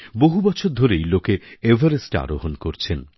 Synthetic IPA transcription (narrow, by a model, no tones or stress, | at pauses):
boɦubɔt͡ɕʰoɾd̪ʱoɾejlokeevʱaɾesʈa̰ɾoɦonkoɾt͡ɕʰen